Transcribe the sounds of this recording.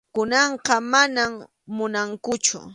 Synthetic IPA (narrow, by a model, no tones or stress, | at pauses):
kʊnɑɴqɑmanam | mʊnaŋkʊt͡ʃʊ̰